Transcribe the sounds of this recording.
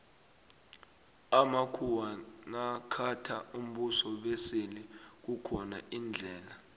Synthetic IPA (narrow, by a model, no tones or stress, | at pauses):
amakʰuwanakʰatʰaum̩ɓusɔɓesilik̬ukʰɔna̰ʔind͡ɮʱɛːla